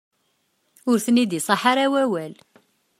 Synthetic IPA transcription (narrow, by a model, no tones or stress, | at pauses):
ʊɾθənid̪isˤɑħaɾawæwæl